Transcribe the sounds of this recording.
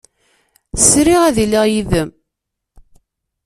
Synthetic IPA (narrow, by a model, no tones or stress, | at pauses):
θəsɾiʁæðilːiʁjiðəm